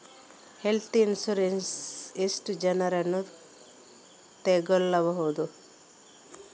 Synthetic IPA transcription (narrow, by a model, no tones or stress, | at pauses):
helt̪ʰiinsuɾensisʈd͡ʒɐnɐɾɐnu | t̪eɡɔlːɐʋɐɦod̪u